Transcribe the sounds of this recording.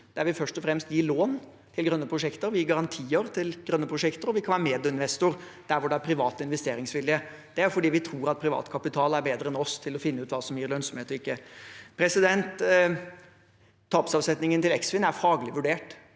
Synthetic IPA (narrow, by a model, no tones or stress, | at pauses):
d̪̥æɾʋɪfœʂtɔfɾɛmst̪jiːloːn | t̪ʰɪlɡɾœnːəpʰɾʊʂɛkt̪əɾʋɪjiːɡɑɾɑnt̪ʰiːəɾt̪ʰɪlɡ̥ɾœnːəpʰɾʊʂɛkt̪əɾɔʋɪkʰɑnʋæːɾəmeːd̪ʊɪnʋɛst̪ʊɾ | d̪̥æɾʋʊɖɛæɾpʰɾɪʋɑːt̪ɪnʋɛst̪eːɾɪŋsʋɪljə | d̪̥ɛæɾjʊfɔɖiːʋɪt̪ʰɾuːɾɑt̪̚pʰɾɪʋɑ̰ːt̪kʰɑpɪt̪ʰɑːlæɾbeːd̪ɾəɛnɔst̪ʰɪlɔfɪnːʉːt̪ʋɑːsɔmjiːɾlœnsɔmeːt̪ɔɪkːəpʰɾɛsɪd̪ɛnt̪ | ɑːpsɑʋsɛt̪nɪŋənt̪ɪlɛksfɪnæɾfɑːɡəlɪʋʉɖeːʈ